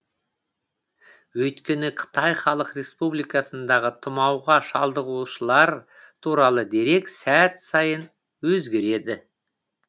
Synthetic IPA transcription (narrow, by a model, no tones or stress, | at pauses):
wɵjt̪kʲe̞nɪqʰə̥t̪ɑjχɑlˠəqre̞spublijkɑsənd̪ɑʁət̪ʰʊmɑwʁɑʃɑlˠd̪əʁuʃəlˠɑɾ | t̪ʰuɾɑlˠəd̪e̞ɾe̞ksæt̪sɑjən | wɵzɡʲe̞ɾe̞d̪ɪ